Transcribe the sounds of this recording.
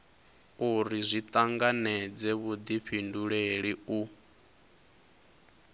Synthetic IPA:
uɾizʷit̪ʼaŋɡanɛd͡zɛβud̪ipʰinduɺeɺiu

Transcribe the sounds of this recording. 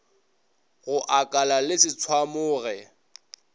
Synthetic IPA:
ɣʊʔakʼalalɪsɪt͡sʰwamʊːɣɛ

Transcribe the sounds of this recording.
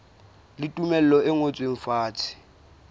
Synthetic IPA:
lɪtʼumɛl̩ɔɪŋot͡sʼweŋ̩faːt͡sʰɪ̥

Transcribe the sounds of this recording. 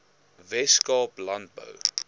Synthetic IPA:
vɛskɑːplɐnt̚bə̰w

